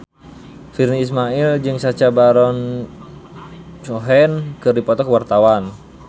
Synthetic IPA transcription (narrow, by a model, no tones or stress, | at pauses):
firniːs̬maild͡ʒɨŋsat͡ʃabaɾɔn | t͡ʃɔɦɛnkɨrdipɔt̪ɔkwart̪awan